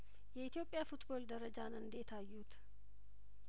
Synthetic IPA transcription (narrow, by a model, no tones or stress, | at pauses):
jɛit̪jo̞pʼːjafut̪bo̞ld̪əɾəd͡ʒanɨnd̪et̪ʰajːut̪